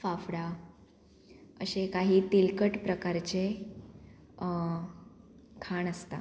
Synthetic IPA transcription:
fafɽa | əɕekaɦiːt̪ilkəʈpɾəkaɾt͡ɕe | kʰaɳəst̪a̰

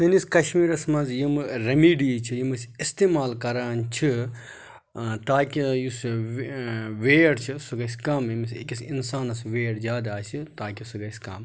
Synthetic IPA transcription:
t̪ɨniskɐʃmiːɾɐsmɐnzjimɨɾɐmiːɖiːt͡ʃʰijimɨsist̪eːmaːlkɐɾaːnt͡ʃʰi | t̪aːkijus | ʋeːɽt͡ʃʰisuɡɐsʲkɐmjimisḛkʲisinsaːnɐsʋeːɽzʲjaːd̪aːsit̪aːkisuɡɐsʲkɐ̰ːm

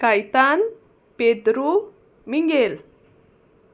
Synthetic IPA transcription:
kajt̪an | ped̪ɾu | miŋɡel

